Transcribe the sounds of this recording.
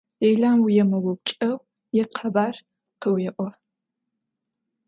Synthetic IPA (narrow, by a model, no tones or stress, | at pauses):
ejɮaːmwjɛmɐwɔp̚ʷt͡ʃʼɐw | jɛqʰɐbaːr | qəwjɛʔʷɔ